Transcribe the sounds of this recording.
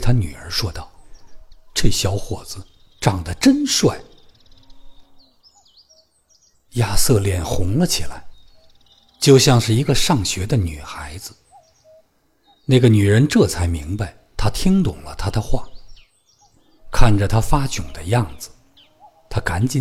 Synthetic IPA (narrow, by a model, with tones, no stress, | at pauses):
t̪ʰa˥ny̰˨˩ə̰˞˧˥ʂwɔ˥t̪ɑ˥˩ʊ | ʈ͡ʂe˥˩ɪɕjɑ˧˥ʊxwɔ̰˨˩d͡zɹ̩˦ | ʈ͡ʂɑ˥˩ŋd̪ə˦ʈ͡ʂə˥nʂwa˥˩ɪ | ja˥˧sɤ˥˧ljɛ˥˩nxʊ˧˥ŋlə˧t͡ɕʰi˨˩la˧˥ɪ | t͡ɕjo˥˧ʊɕjɑ˥˧ŋʂɻ̩˥˩i˧˥ɡə˧ʂɑ˥˩ŋɕɥɛ˧˥d̪ə˧ny̰˨˩xa˧˥ɪd͡zɹ̩˧ | na˥˩ɪɡə˩ny˨˩ɻə˧˥nʈ͡ʂɤ˥˩t͡sʰa˧˥ɪmi˧˥ŋba˧ɪt̪ʰa˥t̪ʰi˥ŋt̪ʊ˨˩ŋlə˦t̪ʰa˥d̪ə˨xwa̰˥˩ | kʰa˥˩nʈ͡ʂə˩t̪ʰa˥fa˥t͡ɕʊ˨˩ŋd̪ə˦jɑ˥˩ŋd͡zɹ̩˩ | t̪ʰa˥ka˧˥nt͡ɕi˧˥